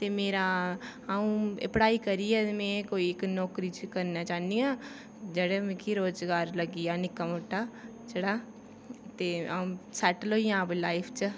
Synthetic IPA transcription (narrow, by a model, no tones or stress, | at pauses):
t̪eːmeːɾa | aũɪ̰pɽaːikəɾiɛmɛ̃koːiɪknɔːkɾit͡ʃkəɾnat͡ʃaːnd̪ijãː | d͡ʒəɽemẽkʰiɾoːd͡ʒɡaːɾləɡijaːnɪkːamʊʈːaː | t͡ʃəɽaː | t̪eːaũsɛːʈloːijãblaːɪpʰt͡ʃə